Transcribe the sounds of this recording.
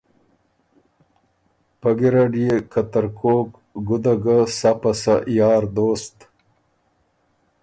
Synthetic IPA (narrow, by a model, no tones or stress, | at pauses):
pɐɡiɾaɖijekɐt̪ɐɾkoːk | ɡʊd̪aɡasapasaʔjɑːɾd̪oːst̪